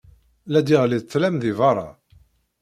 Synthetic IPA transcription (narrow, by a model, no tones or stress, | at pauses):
læd̪iʁliðt͡s̪ːlæmðivɑɾˤɑ̰